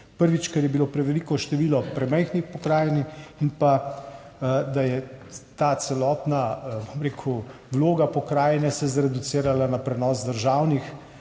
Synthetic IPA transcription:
pəɾʋit͡ʃkɛɾjɛbiloːpɾɛʋɛlikɔʃt̪ɛʋiːlɔpɾɛmɛjxnixpɔkɾaːjɛniinpa | d̪ajɛt̪aːsɛlɔːt̪nabomɾeːkʰu | wloːɡapɔkɾaːjɛnɛsɛzɾɛd̪useːɾalanapɾɛnɔːzd̪əɾʒawnix

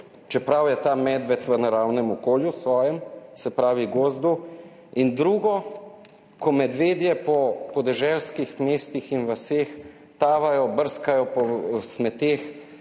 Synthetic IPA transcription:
t͡ʃɛpɾawjɛt̪aːmɛd̪ʋɛt̪ʋənaɾaːwnɛmɔkoːljusʋɔːjɛmsɛpɾaːʋiɡoːzd̪u | ind̪ɾuːɡɔ | kɔmɛd̪ʋeːd̪jɛpɔpɔd̪ɛʒɛlskixmeːst̪ixinʋəseːx | t̪aːʋajɔbəɾskajɔpɔsmɛt̪eːx

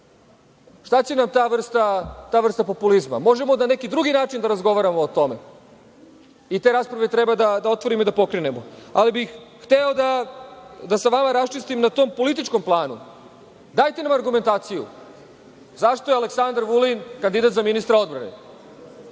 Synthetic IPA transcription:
ʂt̪at͡ɕe̞namt̪aːʋr̩st̪at̪aːʋr̩st̪apo̞pulizma̰mo̞ʒemo̞nane̞kid̪ɾuɡinaːt͡ʃind̪aɾazɡo̞ʋaɾamoːt̪o̞me̞̰ | it̪e̞ːɾaspɾaʋet̪ɾebad̪ad̪ao̞t̪ʋo̞ɾimoid̪apo̞kɾene̞moa̰libixxt̪eod̪a | d̪asaʋamaɾast͡ʃist̪imnat̪o̞mpo̞lit̪̬it͡ʃko̞mplˠaːnṵ | d̪aːjt̪e̞namaɾɡume̞nt̪aːt̪sijṵ | zaʃt̪o̞jeale̞ksand̪ɾʋulinkand̪id̪at̪zaminist̪ɾao̞d̪bɾane

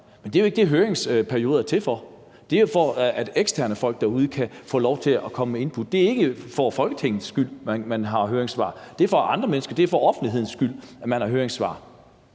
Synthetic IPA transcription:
mend̥e̝joe̝ɡ̥əd̥e̝ɦøːɐeŋspʰæɐio̝ːðˠɐt͡sʰe̝lfɒ | d̥e̝ofɒæd̥eɡ̥stʰæɐnəfɒ̽l̰ɡ̥̚d̥ɑ̈uð̞ˠəkʰæfɔ̰ːlɒʊt͡sʰe̝lɒkʰɒ̽məmee̝npʰud̥̚ːe̝æɐe̝ɡ̥əfɒfɒ̽lɡ̥ət͡sʰeŋ̰nð̩ˠsːɡ̥yl̰mænmænɦɑ̈ɦøːɐeŋsʋɑ̈ːd̥e̝ɐfɒ̽ʔɑ̈nd̥ʁɐmenəsɡ̥ɐd̥e̝æɐfɒɒ̽fn̩d̥l̥iɦe̝ð̰ˠn̩sːɡ̥yl̰æmænhɑ̈ɦøːɐeŋsʋɑ̰̈ː

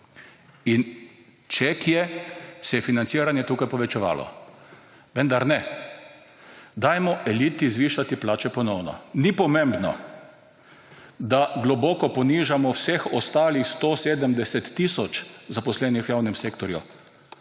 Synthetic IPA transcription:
in | t͡ʃɛkjɛsɛjɛfinant̪siːɾanjɛt̪uːkajpɔʋɛt͡ʃɛʋa̰ːlɔ̰ | ʋɛnd̪aɾnɛ | d̪ajmɔʔɛliːt̪izʋiːʃat̪iplaːt͡ʃɛpɔnɔwnɔ̰nipɔmẽmbnɔ̰ | d̪aɡlɔbɔːkɔpɔniːʒamɔwsexɔst̪aːlixst̪oseːd̪əmd̪ɛsɛt̪ːisɔt͡ʃzapɔslɛːnixwjaːwnɛmseːkt̪ɔɾjṵ

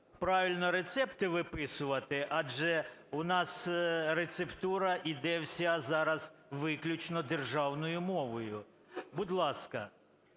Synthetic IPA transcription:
pɾɑʋʲilʲnɔɾet̪sɛpt̪ɪʋɪpɪsʊʋɐt̪ɪʔɑd͡ʒɛʊnɑsɾet̪sept̪uɾɐʔid̪ɛwsʲazɑɾɐz̥ʋɪklʲʊt͡ʃnɔd̪erʒɑwnɔjʊmɔʋɔjʊ | bʊd̪lˠɑskɐ

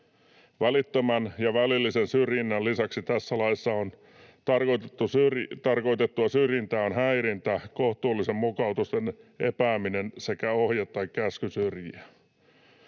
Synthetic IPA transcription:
ʋælit̪ːømænjɑʋælilːisensyrjinːælisɑksit̪æsːælɑisːɑon | t̪ɑrkot̪et̪ːusyrt̪ɑrko̞it̪et̪ːuɑsyrjint̪æːonɦæiɾint̪ækoht̪uːlːisemmukɑut̪ust̪enḛpæːminense̞kæohjɑt̪tːɑikkæskysyrjiæ

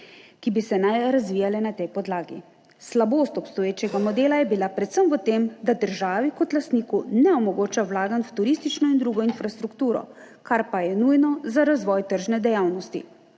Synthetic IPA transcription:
kibisɛnajɾazʋiːjalɛnat̪ɛjpɔd̪laːɡḭ | slaboːst̪ɔpst̪ɔjeːt͡ʃɛɡamɔd̪eːlajɛbilapɾɛt̪səmʋət̪emd̪ad̪əɾʒaːʋikɔt̪last̪niːkunɛɔmɔɡoːt͡ʃawlaːɡanwt̪uɾist̪it͡ʃnɔind̪ɾuːɡɔinfɾast̪ɾukt̪uːɾɔ̰ | kaɾpajɛnujnɔzaɾazʋɔːjt̪əɾʒnɛd̪ɛjawnɔst̪ḭ

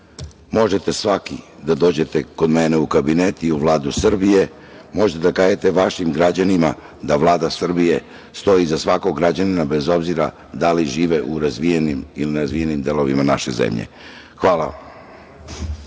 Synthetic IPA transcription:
mo̞ʒe̞t̪e̞sʋakid̪ad̪o̞ːd͡ʑe̞t̪e̞ko̞d̪mene̞ukabinet̪iuʋlˠaːd̪usr̩bije̞ | mo̞ʒet̪ed̪akaːjet̪e̞ʋaʃimɡɾad͡ʑanima | d̪aʋlˠaːd̪asr̩bije̞ | st̪o̞jizasʋako̞ɡɾad͡ʑaninabe̞zo̞bziɾa̰ | d̪aliʒiːʋe̞ʔuɾazʋijenimilinɾazʋijenimd̪e̞lo̞ʋimanaʃe̞zḛmʎḛ | xʋaːlˠa

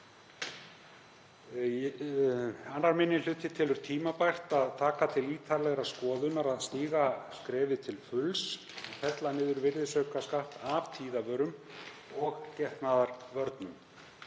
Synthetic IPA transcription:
anːaɾmɪnːɪnl̥ʏːt̪ɪt̪ʰɪlʏɾ̥t̪ʰiːmapajxt̪aðt̪ʰaːkat̪ʰɪliːt̪ʰaɾlɛɣɾaskɔːðʏnaɾaðst̪iːɣaskɾɛːvɪt̪ʰɪlfʏls | ɛfɛt̪lanɪːðʏɾvɪɾðɪsœːɥkaskaht̪avt̪ʰiːðavœɾʏm | ɔɣcɛht̪naðaɾ̥vœɾt̪nʏm

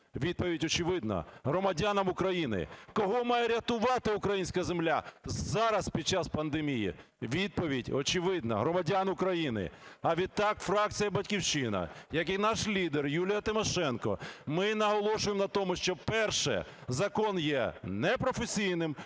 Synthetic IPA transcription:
ʋʲid̪̚pɔʋʲidʲɔt͡ʃɪʋɪd̪̚nɐ̰ɦɾɔmɐdʲanɐmʊkɾɐjinɪ̰kɔɦɔmɑjɛɾʲɐt̪ʊʋɑt̪ɪʊkɾɐjinʲsʲkɐzemlʲazɑɾɐspʲid̪̚t͡ʃaspɐnd̪emʲijḭ | ʋʲid̪̚pɔʋʲidʲɔt͡ʃɪʋɪd̪̚nɐ̰ɦɾɔmɐdʲanʊkɾɐjinɪ̰ɐʋʲid̪̚t̪ɑkfɾɑk̚t͡sʲijɐbɐtʲkʲiwʃɪnɐ̰jɐkinɑʃlʲid̪erjulʲijɐt̪ɪmɔʃɛnkɔ̰mɪnɐɦɔlˠɔʃʊjemnɐt̪ɔmʊʃt͡ʃɔpɛrʃɛ̰zɐkɔnjɛnɛpɾɔfesʲijnɪm

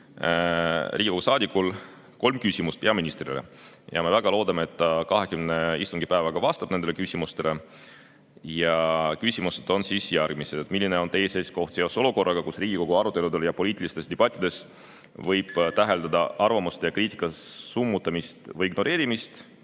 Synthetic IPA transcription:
riːɡ̥ʲiko̞ɡusɑːd̪ikˑːul | ko̞lmkysʲimust̪̚pe̞ɑminist̪rilḛ | jɑ̰me̞væɡ̥ɑlo̞ːd̪ɑmeet̪ːɑkɑɦe̞kymne̞ist̪uŋɡ̥ipæevɑɡ̥ɑvɑːst̪ɑb̥ne̞nelekysʲimust̪e̞le̞ | jɑkysʲimused̪̥o̞nsisjærɡ̥̚mised̪ed̪milːine̞o̞nt̪e̞jsesko̞ht̪seo̞so̞luko̞rːɑɡ̥ɑkusriːɡ̥ʲiko̞ɡ̥uɑɾut̪ːˑe̞lud̪e̞ljɑpo̞lʲiːt̪ilist̪e̞st̪eb̥ɑt̪ʲːˑid̪̥e̞s | vɤjb̥t̪æɦe̞ld̪ɑd̪ɑʔɑrvɑmust̪ejɑkriːt̪i̥kːˑɑsumːut̪ːˑɑmist̪vɯjiɡno̞ɾe̞ːɾimist̪

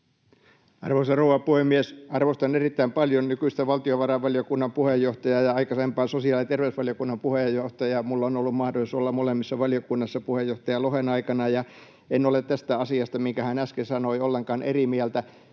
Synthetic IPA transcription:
ɑ̰rʋoisɑrouʋɑpuhemːiesɑrʋost̪ɑnerit̪ːæimpɑljonnykyist̪eʋɑlt̪ioʋɑrɑʋʋɑljokunːɑmpuhejːoht̪ɑjɑjɑɑikɑsempɑːsosiɑːlit̪erʋeusʋɑljokunːɑmpuhejːoht̪ɑjɑmulːonolːummɑhdolisolːɑmolemːisːɑʋɑljokunːɑsːɑpuhejːoht̪ɑjɑlohenɑikɑnɑjɑ | enːolet̪t̪æst̪æɑsiɑst̪ɑmiŋkæhænæskesɑnoiolːeŋkɑːnʔerimiælt̪æ

